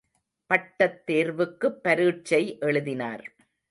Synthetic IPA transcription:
pɐʈːɐt̪ːeːɾʋɯkːɯpːɐɾiːʈ̚t͡ʃɐɪʔɛɭɯðɪna̰ːɾ

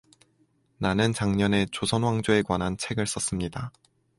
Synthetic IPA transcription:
nanɯnt͡ɕaŋɲʌne̞t͡ɕosʰʌnwaŋd͡ʑoe̞kwanɦant͡ɕʰe̞ɡɯɭs͈ʌs͈ɯmɲida

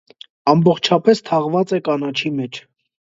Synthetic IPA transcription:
ɑmbɔχt͡ʃʰɑpɛst̪ʰɑʁvɑt͡sɛkɑnɑt͡ʃʰimɛt͡ʃʰ

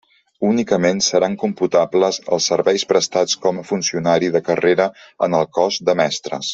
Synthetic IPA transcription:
unikəmensəɾaŋkumput̪abləzə̰lˠsːəɾβɛjspɾəst̪at͡skɔməfunsiunaɾiðəkəreɾəənəlˠkɔzd̪əmɛst̪ɾə̰s

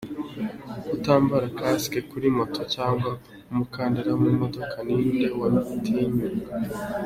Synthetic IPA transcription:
kutaːmbaɾakaskekuɾimo̞tʰo̞caːŋɡa | umukaːndeɾamumo̞do̞kʰaninde̞wamitʰeɲuɡa

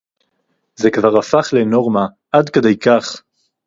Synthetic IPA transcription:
zekvaʁafaχleno̞ʁma | ʔadkedejkaχ

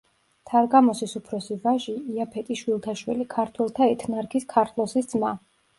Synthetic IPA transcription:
t̪ʰaɾɡamɔsisupʰɾɔsivaʒiːapʰɛt̪ʼiʃwilˠt̪ʰaʃwḭlikʰaɾt̪ʰwɛlˠt̪ʰaɛt̪ʰnaɾkʰiskʰaɾt̪ʰlˠɔsisd̪zma

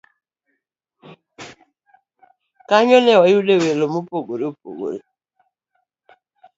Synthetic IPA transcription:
kaɲɔnɛwajudewelomupoɡoɾeop̚o̰ɡo̰ɾi

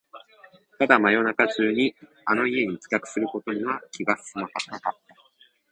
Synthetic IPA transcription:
t̪ad̪amajo̞nakaʑɨːɲ̟i | ano̞ie̞ɲ̟it͡sɨ̥kʲakɯ̟̥sɨɾɯ̟ko̞t̪o̞ɲ̟iβakʲiɡasɨ̥sɨmakanakat̪ːa

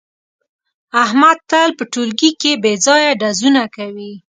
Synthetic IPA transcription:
ahmad̪̚t̪alpəʈulɡikebed͡zɑjaɖazunakawi

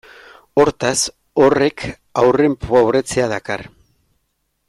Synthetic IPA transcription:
o̞ɾt̪as | o̞re̞kʰ | awre̞mpawβre̞t͡se̞að̞aka̰r

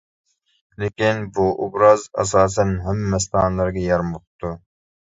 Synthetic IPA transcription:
lekʲinbuʔobɾɑzɑ̰sɑːs̬ɛnɦæmːɛst̪ɑːnlˠɑɾɡʲɑjɑɾmoqt̪ʰːu

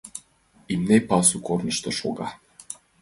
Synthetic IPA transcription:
imnepɑsukornɤ̆ʃt̪ɤ̆ʃo̰ɣɑ

